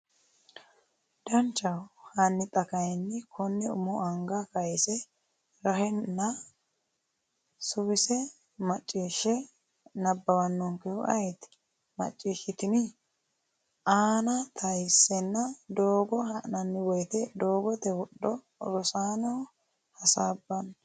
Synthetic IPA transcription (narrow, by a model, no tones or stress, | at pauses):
d̪̥ɐnt͡ʃːɐwhɐnːɪt̪ʼɐkɐjnːɪkʰɔnːɛʊ̰mɔʔɐŋɡɐkɐjsɛ | ɾɐhɛːɐ | sʊbɪsɛ | mɐt͡ʃʼːiːʃːɛ | nɐbːɐwɐnːɔŋkɛʔɐ̰jt̪ | mɐ̰t͡ʃʼːiːʃɪt̪ɪnɪ | ʔaːnɐt̪ʰɐjsːɛnːɐd̪oːɡɔhɐʔnɐnːɪwɔjt̪ɛd̪oːɡɔt̪ɛwɔɗːɔ | ɾɔsaːnɔw | hɐsaːbːɐn